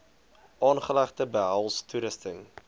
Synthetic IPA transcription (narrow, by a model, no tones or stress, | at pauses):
ʔɑːnχəlæχtəbəɦælˠstuɾəstəŋ